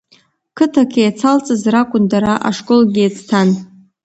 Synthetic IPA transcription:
kʰɨtʰakʰejat͡sʰalt͡sʼɨzrakʷʼʊndaɾaʔa̰ʂkʼolɡʲiat͡sʰʼtʰan

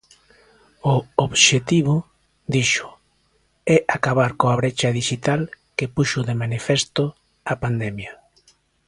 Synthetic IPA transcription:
ʊoβʃet̪iβ̞ʊ | d̪iʃʊ̥ | ɛʔakaβaɾkoaβ̞ɾet͡ʃaðiʃit̪al | kepuʃʊðemanifɛst̪ʊ | apand̪ɛmja

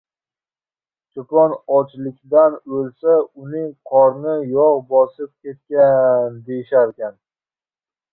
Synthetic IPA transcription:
t͡ʃʰopɒnɒt͡ʃlɪkʲd̪anɵlsaʊnɪŋqʰɒɾnɪjɒʁbɒsɪp̚kʲe̞t̪̚kʲand̪e̞jɪʃaɾkʲan

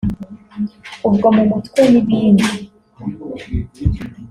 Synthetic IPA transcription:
ubɡomumutkweniβiːni

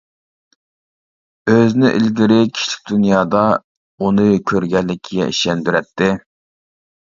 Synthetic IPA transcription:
øznɪʔilɡʲiɾɪkʲʰi̥ʃlɪ̥k̚ʲd̪unjɑːd̪ɑ | unɨkʲʰøɾɡʲɛlːɪkʲʰiɡʲɛ̰iʃɛnd̪yɾɛt̪ʰːɪ

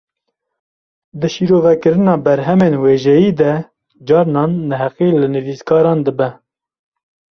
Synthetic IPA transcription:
d̪ɨʃiːɾoːvɛkɨɾɨnɑːbɛɾɦɛmeːnweːʒɛjiːd̪ɛ | d͡ʒɑːɾnɑːnːɛɦɛqilɨnɨviːskʰɑːɾɑːnd̪əbɛ

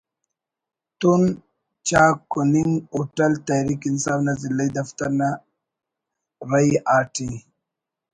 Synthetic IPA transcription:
t̪un | t͡ɕaːkuniŋɡuʈɐlt̪aɾikinsaːfnazilːɐid̪ɐft̪aɾna | ɾajaːʈʰi

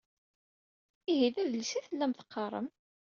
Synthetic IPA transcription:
iɦiðæðəlsiθəlːæmθə̥qːɑɾˤə̰m

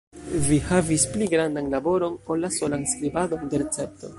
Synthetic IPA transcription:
vihavispliɡɾandanlabo̞ɾo̞nolːaso̞lanskɾibado̞nde̞ɾet͡se̞p̚to̞̰

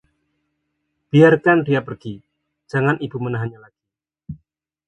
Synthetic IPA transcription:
b̥iarkandiapərɡ̥i | d͡ʒ̥aŋanʔibṳmənaɦanɲalaɡ̥i

